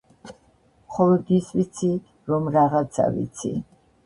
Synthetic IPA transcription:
χɔlɔd̪isvit̪sʰi | ɾɔmɾaʁat̪sʰa̰vḭt̪sʰḭ

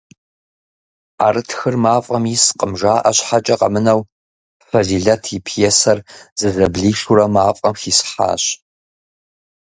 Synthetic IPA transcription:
aːɾɨtʰxɨrmaːfʼɐmisqʼəmʒaːʔɐɕħat͡ʃʼɐqɐ̰mɨnɐw | fɐziːɮɐtʰipʰjɛsɐrzɨzɐbɮiːʂuɾɐmaːfʼɐmxiːsħa̰ːɕ

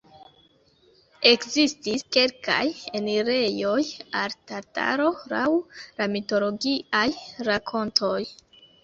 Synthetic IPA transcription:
e̞kzistiske̞lka̰jeneɾe̞jo̞jaltata̰ɾo̞la̰wlamito̞lo̞ɡiajɾakʰo̞ntʰoj

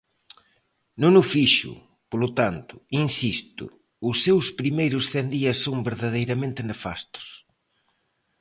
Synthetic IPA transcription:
nunʊfiʃʊ̰ | polʊt̪ant̪ʊ̥insist̪ʊ̰ | ʊsːewspɾimejɾʊsθɛnd̪iɐsːõw̃ŋbeɾðaðejɾɐmẽnt̪ɪnefa̰st̪ʊ̥s

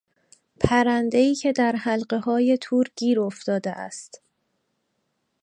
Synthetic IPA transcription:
pʰæɾænd̪e̞iːcʰe̞d̪æɾhælɢe̞hɒːje̞t̪ʰuːɾɟiːɾoft̪ɒːd̪eʔæ̰st̪

